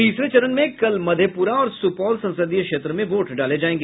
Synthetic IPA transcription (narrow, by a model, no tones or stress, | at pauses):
t̪iːsɾet͡ʃɐɾənmẽkɐlmɐd̪ʱjəpuːɾaɔːɾsʊpɔːlsɐ̃nsəd̪ijkʃeːt̪ɾəmẽʋoːʈɖaːled͡ʒaːẽːŋɡe